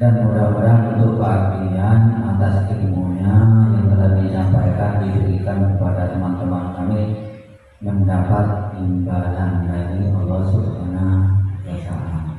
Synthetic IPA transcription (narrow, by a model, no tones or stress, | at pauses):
danmudamudanunt̪ʊʔkəat̪i | anat̪askəbuuɲajaŋt̪əɾat̚disampajkandibiɾikankəpadat̪əmant̪əmankami | məndapat̪̚imbalanbadiʔalːɔsukanabəsa̰ma